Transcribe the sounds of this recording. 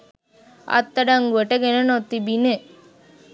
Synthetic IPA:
ɐ̰t̪ːɐɖaŋɡuʋɐʈəɡenɐnot̪ːibine

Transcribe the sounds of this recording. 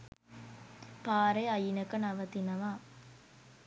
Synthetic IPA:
paːɾɐɪɐjɪnɐkːɐnɐʋɐt̪inɐʋaː

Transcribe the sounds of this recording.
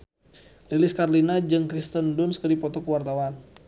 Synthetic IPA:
lilɪskarlinad͡ʒɨŋkɾist̪əndʊnskədipɔt̪ɔkəwart̪awan

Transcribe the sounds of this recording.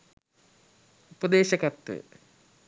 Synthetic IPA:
upəd̪eːʃɐkɐt̪ːə̰

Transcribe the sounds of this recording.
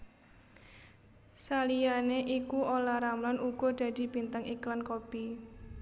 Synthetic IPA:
salijaneʔikuolaɾamlanuɡ̥ɔ̤d̪̥a̤d̪̥i̤b̥int̪əŋiklankopi

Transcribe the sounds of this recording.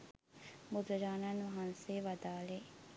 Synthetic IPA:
mud̪əɾaːnanʋɐɦanseːʋɐd̪aːle

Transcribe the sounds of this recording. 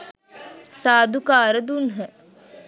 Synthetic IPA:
saːd̪ukaːɾəd̪unɦə

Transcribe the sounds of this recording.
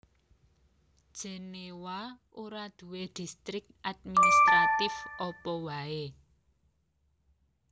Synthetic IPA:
d̥ʒ̥e̤newa | oɾad̪̥ṳwed̪̥i̤st̪ɾɪk̚ʔad̪̚minist̪ɾat̪ɪfɔpɔwae

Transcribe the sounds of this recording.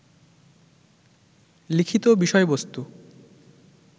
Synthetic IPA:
likʰit̪obiʃɔebost̪u

